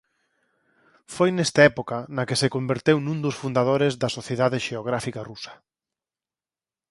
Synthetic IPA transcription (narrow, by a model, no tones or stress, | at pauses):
fojnɛst̪aɛpokɐnɐkɪsekombeɾt̪ewnũnd̪ʊsfund̪að̞oɾezðɐsoθjeðaðɪʃeoɣ̞ɾafikarusɐ̥